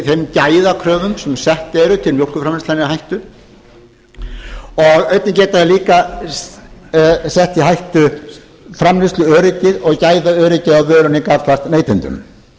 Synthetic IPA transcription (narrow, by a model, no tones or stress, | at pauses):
θejmcajðakʰɾœːvʏmsɛmsɛht̪ɛɾʏt̪ʰɪlmjowl̥kʏfɾamlɪst̪lanɪɦajht̪ʏ | ɔɣœɥt̪nɪcɛːt̪aðɪliːka | sɛht̪iɦajht̪ʏ | fɾamlɪst̪lʏœːɾɪcɪðɔɣcaːjðaœːɾɪcɪðaðvœːɾʏnɪkaɾt̪last̪neːjt̪ɪnt̪ʏ̰m